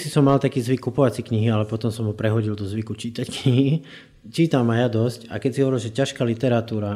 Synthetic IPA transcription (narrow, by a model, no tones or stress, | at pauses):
sisɔmːalt̪akiːzʋikːupɔʋat͡sikɲiɦialɛpɔt̪ɔmsɔmɦɔpɾɛɦɔɟild̪ɔzʋikut͡ʃiːt̪ackɲiɦi | t͡ʃiːt̪amajad̪ɔsca̰kɛcsiɦɔʋɔɾilʒɛcaʃkaːlit̪ɛɾat̪uːɾa